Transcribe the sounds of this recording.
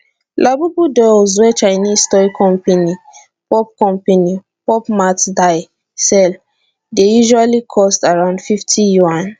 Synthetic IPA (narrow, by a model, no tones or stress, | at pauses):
lʔabubudɔz̬wɛt͡ʃaɪnistɔɹikʰɔ̃mpeni | pɔp̚kɔ̃mpeni | pɔpmatdaɪ | sɛl | dejuʒualikʰɔstaɹãʊ̃ndfiftʰijuãn